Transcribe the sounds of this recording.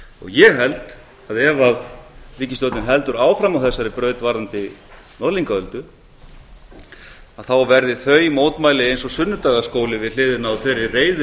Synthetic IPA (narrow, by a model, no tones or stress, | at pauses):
ɔ̰ɣjɛɦɛlt̪ | aðɛvaðriːcɪst̪owt̪ɪnɦɛlt̪ʏɾaːwfɾamawθɛsːaɾɪpɾœːɥt̪vaɾant̪ɪ | nɔliŋkaœlt̪ʏ | aðθawvɛɾðɪθœɥimoːwt̪maːjlɪejnsɔsʏnːʏt̪aːɣaskoːwlɪvɪðl̥ɪːðɪnawθejɾɪreːjðʏ